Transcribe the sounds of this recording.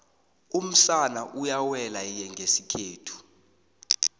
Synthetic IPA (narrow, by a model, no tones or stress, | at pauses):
um̩ɬanaʔujawɛlajɛŋɡʱesikʰeːtʰu̥